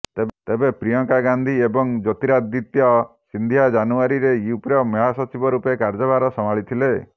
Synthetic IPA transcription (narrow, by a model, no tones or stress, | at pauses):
t̪et̪ebepɾijɔŋkaɡand̪ʱiebɔŋd͡ʒɔt̪iɾad̪it̪jɔ | sind̪ʱijad͡ʒanuaɾiɾeiupɾjɔmjɔɦasɔt͡ʃibɔɾupekaɾd͡ʒɔbʱaɾɔsɔmaɭit̪ʰile